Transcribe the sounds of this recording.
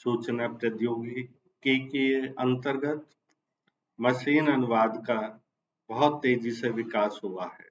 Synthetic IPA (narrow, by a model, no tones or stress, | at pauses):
suːt͡ʃnapɾəd̪joːɡ | kekiə̃nt̪əɾɡət̪ | mɐʃiːnɐnʊʋaːd̪ka | bəɦʊt̪ːeːd͡ʒiseʋɪkaːsɦoːaɦɛː